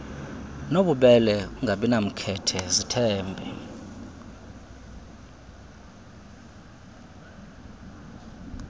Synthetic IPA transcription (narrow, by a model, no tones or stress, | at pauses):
noɓuɓɛlɛuŋɡʱaɓinam̩kʰɛtʰɛzitʰɛːmbʱɛ